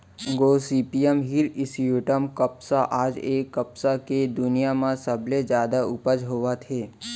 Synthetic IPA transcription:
ɡosipijəmɦiɾisijuʈəmkəpsaʔaːd͡ʒekːəpsaked̪ʊnijamãsəbled͡ʒjaːd̪aʊpəd͡ʒɦoʋat̪ʰe

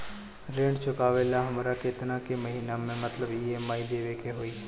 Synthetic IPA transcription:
ɾẽːɳɖt͡ʃʊkaːʋeːlaɦɐmːɾaket̪ɪnãkemɐɦiːnamẽmət̪ləbiɦemaːid̪eʋeːkʰeɦoːiː

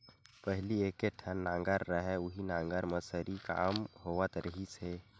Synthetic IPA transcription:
pəɦɪlieːkeʈʰənːãːŋɡəɾːəɦɛʊɦinãːŋɡəɾməsəɾika̰ːmɦoːʋət̪ɾʔəɦise

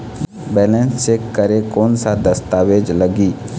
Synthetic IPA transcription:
bɛːlɛ̃nsːekəɾekɔːnsad̪ɐst̪aːweːd͡ʒləɡiː

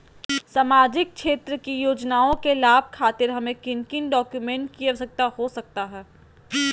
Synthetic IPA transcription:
saːmaːd͡ʒɪk̚ʃeːt̪ɾəkijoːd͡ʒnaːõkelaːb̚ʱkʰaːt̪ɪɾɦɐmẽkɪ̃nkɪnɖɔːkjumẽːɳʈ̚kiɐsɐk̚t̪ahosɐk̚t̪aɦɛː

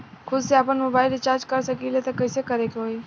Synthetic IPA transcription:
kʰʊd̪seaːpənmoːbaːɪlɖɪt͡ʃaːɾd͡ʒkɐɾsɐkilet̪ekɐɪsekɐɾekɦoːi

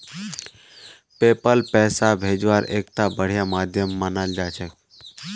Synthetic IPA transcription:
peːpəlpɛːsabʱeːd͡ʒʋaːɾḛːk̚t̪abəɽ̤ijamaːd̪ʱjəmːənald͡ʒaːt͡ʃʰɛ

